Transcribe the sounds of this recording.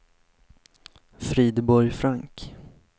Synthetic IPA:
fɾiːd̪bɔɾjfɾaŋk

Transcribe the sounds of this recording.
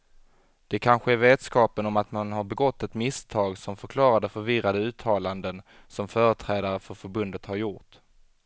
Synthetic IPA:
d̪̥ɛkʰanɧəæɾveːd̪skɑːpənɔmat̪manɦaɾbɛɡɔt̪ːɛt̪mɪst̪ʰɑːɡsɔmfœɾkʰlɑːɾad̪əfœɾvɪɾad̪əʉ̟ːt̪ʰːɑːland̪ən | sɔmfœːɾət̪ʰɾɛːd̪aɾəfœɾfœɾbɵnd̪ət̪haɾjʊɾʈ

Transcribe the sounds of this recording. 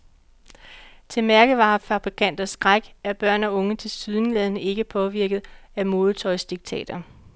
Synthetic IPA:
t͡sʰe̝mæɐɡ̥əʋɑ̈ːfæb̥ʁikʰæn̰d̥ɐsɡ̥ʁaɡ̥æɐb̥ɶɐ̰nɒ̽ɔ̽ŋət͡sʰe̝lsyðˠnlɛðˠnəe̝ɡ̥əpʰɒ̽ʋiɐɡ̥ð̞̩ˠæmo̝ːð̞ˠt͡sʰɒ̽ɪsd̥iɡ̥̚t͡sʰɛ̰ːd̥ɐ

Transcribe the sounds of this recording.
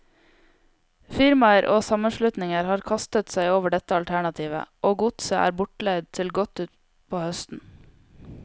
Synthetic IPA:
fɪɾmɑəɾʔoːsɑməʃlʉt̪nɪŋəɾhɑːɾkʰɑst̪ət̪sæɪoːʋəɖɛt̪əɑlt̪ʰæɳɑt̪ʰiːʋə̰ʔoːɡʊt̪səʔæ̰ːɾbʊʈɭed̪̚t̪ʰɪlɡɔt̪ʉːt̪ | pʰoːhœst̪n̩

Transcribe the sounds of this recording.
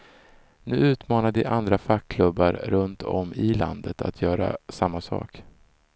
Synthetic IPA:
nʉ̟ːʉ̟ːt̪mɑːnad̪ɪʔand̪ɾafakʰːlɵbːaɾɾɵnt̪ʰɔ̰mːɪla̰nd̪ət̪ʰa̰t̪ʰjœːɾa̰samːasɑ̰ːk

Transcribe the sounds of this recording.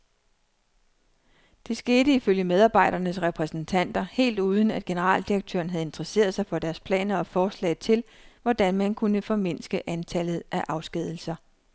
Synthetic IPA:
d̥e̝sɡ̥e̝ːɾəiføljəmeð̞ˠɑ̈ːb̥ɑ̈ɪɾ̥ɐnəsʁɛpʰʁɛsn̩t͡sʰæn̰d̥ɐhe̝̰ːld̥uːð̞ˠn̩æd̥ɡ̥e̝nəʁɑ̰̈ːld̥iʁɐɡ̥̚t͡sʰø̰ːɐn̩ɦæð̞̩ˠe̝nd̥ʁɐse̝̰ːɐðˠsɑ̈ɪfɒ̽d̥æɐspʰlɛ̰ːnɐɒ̽fɒːslɛ̰ɪð̩ˠt͡sʰe̝lʋɒd̥ænmænkʰunəfɒ̽me̝n̰sɡ̥əʔænt͡sʰælð̞̩ˠʔæʔɑ̈ʊsɡ̥ɛð̞̰ˠl̩sɐ

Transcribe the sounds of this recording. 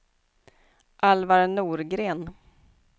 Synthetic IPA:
ʔalvaɾnuːɾɡɾeːn

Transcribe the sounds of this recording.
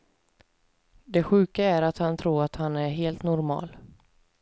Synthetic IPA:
d̪ɛɧʉ̟ːkaæɾat̪hant̪ʰɾuːɾat̪hanæɾɦeːlt̪nɔɾmɑ̰ːl

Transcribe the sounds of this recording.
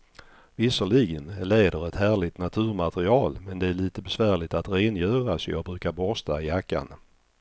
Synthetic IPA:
vɪsəɭɪɡənleːd̪əɾɛt̪hæːɭɪt̪nat̪ʰʉ̟ːɾmat̪əɾɪɑːlmɛnd̪ɛæɭiːt̪əbɛsvæːɭɪt̪at̪ɾeːnjœːɾasɔjɑ̰ːɡ̚bɾʉ̟ːkaɾbɔst̪aɪjakːa̰n

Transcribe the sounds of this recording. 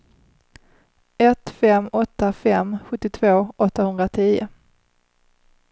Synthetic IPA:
ɛt̪fɛmɔt̪ːafɛmɧɵt̪ːɪt̪ʰvoːɔt̪ːahɵnd̪ɾat̪ʰiːʊ̰

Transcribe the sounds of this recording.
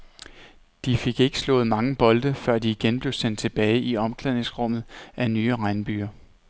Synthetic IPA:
d̥ife̝ɡ̥e̝ɡ̥ə̥slɔ̰ːð̩ˠmɑ̈ŋəb̥ɒ̽ld̥əfɶɐ̰d̥iːɡ̥enb̥le̝ʊsen̰d̥̚t͡sʰe̝b̥ɛːɪiɒ̽mkʰlɛðˠne̝ŋsʁɔ̽m̰ð̞̩ˠʔænyːʁɑ̈ɪnəb̥y̰ːɐ

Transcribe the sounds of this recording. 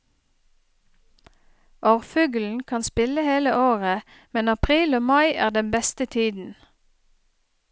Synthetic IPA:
ʔoːʁfʉːɡl̩n̩kʰɑnspɪləheːləʔoːʁə | mɛnɑpʰʁiːloːmɑɪʔæ̰ːʁd̪ɛnbɛst̪ət̪ʰiːd̪n̩

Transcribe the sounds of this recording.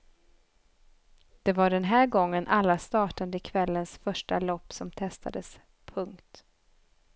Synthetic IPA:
d̪̥ɛvaɖɛnɦæːɾɡɔŋːənʔalːast̪ɑːʈand̪əɪkʰvɛlːənsfœʂʈalɔpːsɔmt̪ʰɛst̪ʰa̰d̪əs | pʰɵŋkt̪

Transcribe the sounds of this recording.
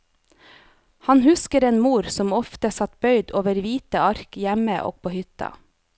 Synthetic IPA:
hɑnhʉskəɾeːnmuːɾsɔmɔft̪əsɑt̪̚bœʏd̪oːʋəɾʋiːt̪əɑɾkjæməʔo̰ːɡ̚pʰoːhʏt̪ɑ̰

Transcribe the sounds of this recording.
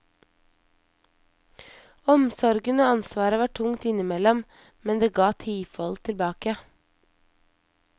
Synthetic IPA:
ɔmsɔɾɡənoːɑnsʋɑːɾəʋɑːʈʰʊŋt̪ɪnɪmɛlɔm | mɛnd̪eːɡɑːt̪ʰiːfɔlt̪ʰɪlbɑːkə

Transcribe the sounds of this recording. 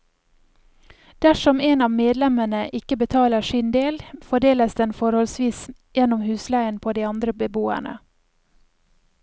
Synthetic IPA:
d̪̥æʃɔmeːnɑːʋmeːd̪lɛməɳəʔɪkəbət̪ʰɑːləʃɪnd̪eːlfɔɖeːləsd̪ɛnfɔɾhɔlsʋiːs | jɛnʊmhʉːslæɪənpʰoːd̪iːɑnd̪ɾəbəboːæ̰ɳə̰

